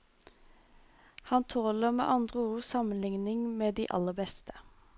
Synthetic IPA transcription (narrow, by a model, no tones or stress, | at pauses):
hɑnt̪ʰoːləʁmḛːʔɑnd̪ʁəuːsɑmənlɪŋnɪŋmeːd̪ḭːʔɑ̰ləbɛst̪ə̥